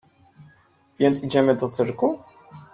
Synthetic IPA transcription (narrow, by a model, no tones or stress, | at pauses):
v̥ʲjɛnt̪sid͡ʑɛmɘd̪ɔt̪sɘɾku